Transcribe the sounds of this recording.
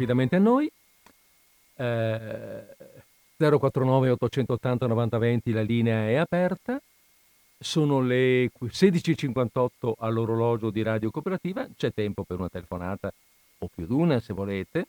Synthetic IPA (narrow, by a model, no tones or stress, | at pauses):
apid̪ament̪eanːoj | d̪zɛːɾokwat̪ːɾonɔːveot̪ːot͡ʃɛnt̪oːt̪ːant̪anovant̪avɛnt̪ilaliːneaɛapɛrt̪a | soːnolekseːd̪it͡ʃit͡ʃiŋkwant̪ɔt̪ːoʔalːoɾolɔːd͡ʒod̪iɾaːd̪jokopeɾat̪iːvat͡ʃɛt̪ːɛmpopeɾunat̪elefonaːt̪a | opːjud̪uːnasevoleːt̪e